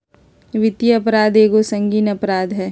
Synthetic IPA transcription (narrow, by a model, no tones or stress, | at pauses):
ʋɪt̪jɐpɾaːd̪eːɡosɐ̃ŋɡiːnɐpɾaːd̪ɦɛː